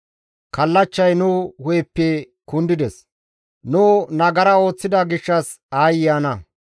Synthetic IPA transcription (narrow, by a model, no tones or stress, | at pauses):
kɐlːɐt͡ʃːɐjnʊhɔjpːɛ | kʊnd̪ɪd̪ɛs | nuːnɐɡɐɾɐo̞ːt͡sːɪd̪ɐɡɪʃːɐs | aːjaːnɐ